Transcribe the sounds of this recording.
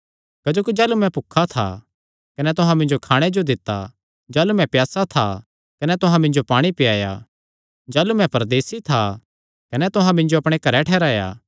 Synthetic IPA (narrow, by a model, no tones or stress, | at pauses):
kɐd͡ʒoːkid͡ʒɛːlumɛ̃pʊkʰːat̪ʰa̰ | kɐnɛt̪ʊɦãmɪ̃nd͡ʒokʰaːɽ̃ed͡ʒod̪ɪt̪ːa̰ | d͡ʒɛːlumɛ̃pjaːsat̪ʰa | kɐnɛt̪ʊɦãmɪ̃nd͡ʒopaːɽ̃ipɪjaːja̰ | d͡ʒɛːlumɛ̃pɐɾd̪eːsit̪ʰa | kɐnɛt̪ʊɦãmɪ̃nd͡ʒoɐpɽ̃ekɐɾɛʈʰɛːɾaːja̰ː